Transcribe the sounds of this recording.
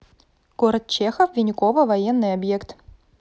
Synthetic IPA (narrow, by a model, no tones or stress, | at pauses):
ɡ̥oɾət̪̚t͡ɕexəfvʲɪnʲɪkovəvɐjenːɨjɐbjekt̪